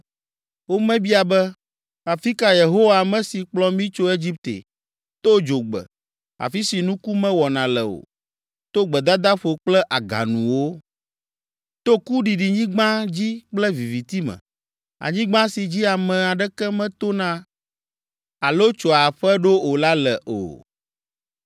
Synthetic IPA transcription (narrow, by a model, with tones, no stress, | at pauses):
wo˦mɛ̃˦bi˦a˨bɛ˦ | a˨fi˦ka˨je˨ɦo˦wa˨mɛ̃˦si˨k͡plɔ˦mĩ˦t͡ʃo˦e˦d͡ʑi˦p̚t̪ḛ˨ | t̪o˦d͡ʒo˨ɡ͡bɛ̰˨ | a̰˨fi˦si˨nũ˦ku˦mɛ̃˦wɔ˨nã˨lɛ̰˨o̰˨ | t̪o˦ɡ͡bɛ˨d̪a˦d̪a˦ɸo˨k͡plɛ˦ʔa˨ɡa̰˨nṵ̃˨wo˦ | t̪o˦ku˦ɖi˨ɖi˨ɲĩ˦ɡ͡bã˦d͡ʑi˦k͡plɛ˦vi˨vi˨t̪i˦mɛ̰̃˨ | a̰˨ɲĩ˦ɡ͡bã˦si˨d͡ʑi˦a˨mɛ̃˨a˨ɖɛ˦kɛ˦mɛ̃˦t̪o˦nã˦ | a˨lo˦t͡ʃo˨a˨ɸɛ˦ɖo˦o˨la˦lɛ˨ʔo̰˨